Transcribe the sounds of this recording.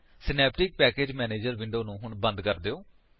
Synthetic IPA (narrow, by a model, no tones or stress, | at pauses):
sɪnɛːpʈɪk̚pɛːkeːd͡ʒmɛːneːd͡ʒəɾʋɪɳɖoːnũːɦʊɳbə̃nd̪kəɾd̪eːoː